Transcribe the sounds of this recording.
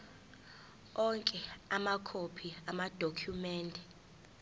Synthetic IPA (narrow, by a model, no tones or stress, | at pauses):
ɔŋkʼɛamakʰopʰiamad̥ʱokʰjumɛːndʱɛ